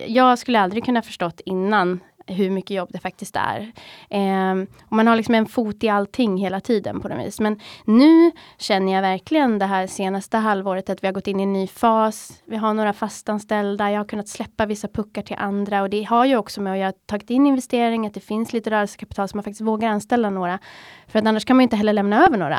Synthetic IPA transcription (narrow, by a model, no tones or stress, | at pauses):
jɑːɡskɵlːəald̪ɾɪɡ̚kʰɵnːahafə̥ʂʈɔt̪ːɪnːan | ɦɵɾmʏkːəjɔbːd̪ɛfak̚t̪ɪst̪æ̰ɾ | ɔmanhaɭɪksɔmɛnfuːt̪ɪalt̪ʰɪŋːɦeːlat̪ʰiːd̪ə̰npʰɔnɔ̰vḭːsmɛnːʉ̟ːɕɛnːəjɑvæɾkʰlɪɡənd̪ɛɦæːɾʂeːnast̪əɦalvoːɾət̪at̪vɪhaɾɡɔt̪ːɪnːɪɛnːyːfɑːsvɪɦaɳoːɾafast̪anst̪ɛld̪ajɑhaɾkɵnːat̪slɛpːavɪsːapʰɵkːaʈʰɪlʔand̪ɾaɔd̪ɛɦaɾjɵɔksɔmɛɔjɑhat̪ʰɑːɡɪt̪ɪnːɪnvɛst̪eːɾɪŋat̪̚d̪ɛfɪnsliːt̪əɾœːɾɛlsə̥kʰapɪ̥t̪ʰɑːlsɔmanfakt̪ɪst̪voːɡaɾanst̪ɛlːanoːɾafœɾat̪anːaʂkʰanmanjɪnt̪əɦɛlːəɭɛmnaøːvəɳoːɾa̰